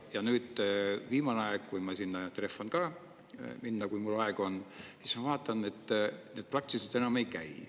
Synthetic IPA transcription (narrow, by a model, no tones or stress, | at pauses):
jɑnyːd̪̥viːmɑneɑeɡ̥kujmɑsinːɑt̪re̞fːɑnkɑː | minːɑkujmulːɑeɡ̥o̞nsismɑvɑːt̪ːˑɑnet̪ːˑne̞d̪̥̚prɑk̚t̪ised̪̥e̞nɑme̞jkæ̰j